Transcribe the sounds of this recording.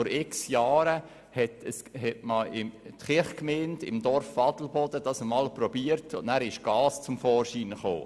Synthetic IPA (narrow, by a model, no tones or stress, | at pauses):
fɔɾɪksjɑːɾə | hɛtəshɛtməɪmt̪χɪχkmeːntɪ̰md̥ɔɾfɑdl̩bɔd̥əd̥ɑsəmɑlprɔbiəɾtʊnnæːɾɪʃɡ̥ɑːst͡sʊmfɔːɾʃiːnəχo̰ː